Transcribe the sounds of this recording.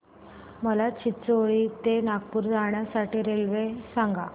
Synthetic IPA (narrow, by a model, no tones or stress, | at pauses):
məlat͡ɕitsoɭiːt̪enaɡ̚puːɾd͡zaɳjasaʈiːɾelʋesãŋɡa